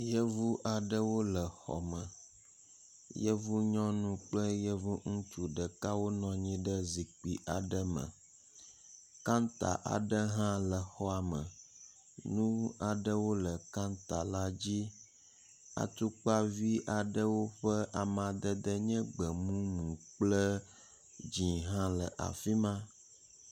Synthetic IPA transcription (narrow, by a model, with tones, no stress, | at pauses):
jə˦vu˦ʔa˨ɖə˦wo˦lə˨xɔ̰˨mə˨ | jə˦vu˦ɲɔ̃˦nũ˦k͡plə˦jə˦vu˦ŋũ˦t͡ʃu˨ɖə˨ka˦wo˦nɔ̃˨ɲĩ˦ɖə˦zi˨k͡pi˨ʔa˨ɖə˦mə̰̃˨ | ka˦nt̪a̰˨ʔa̰˨ɖə˦ɦã˦lə˨xɔ˦a˨mə̃˨ | nũ˦a˨ɖə˦wo˦lə˨ka˦nt̪a˨la˦d͡ʑi˦ | a̰˨t̪u˦k͡pa˦vi˦ʔa˨ɖə˦wo˦ɸə˦ʔa˨m˨ã˨d̪ə˦d̪ə˦ɲɛ̃˦ɡ͡bə˨mũ˦mũ˨k͡plə˦ | d͡ʑĩ˨ɦã˦lə˨ʔa̰˨fi˦mã˦